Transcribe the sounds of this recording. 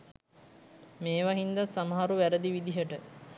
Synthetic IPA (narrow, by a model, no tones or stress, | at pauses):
meːʋaɦind̪at̪samaɦaɾuʋæɾəd̪iʋid̪iɦəʈə